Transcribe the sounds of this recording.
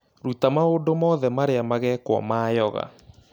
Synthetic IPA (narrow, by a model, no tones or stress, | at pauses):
ɾutamaondomɔːðɛmaɾeamaɣɛkwɔ̰maːjɔɣa̰